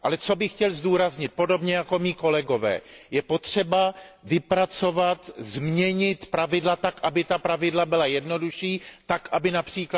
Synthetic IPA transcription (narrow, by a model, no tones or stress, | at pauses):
ʔalɛt͡so̞bɪxcɛlzduːɾazɲɪt̪̚po̞do̞bɲɛjako̞miːko̞lɛɡo̞vɛ̰ːjɛpo̞t̪r̝̥ɛbavɪpɾat͡so̞vat̪zmɲɛɲɪt̪pɾavɪdlat̪akʔabɪt̪apɾavɪdlabɪlajɛdno̞duʃiːt̪akʔabɪnapr̥iːk